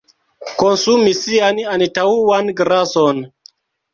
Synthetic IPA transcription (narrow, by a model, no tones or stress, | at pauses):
konsumisiananitauwanɡɾason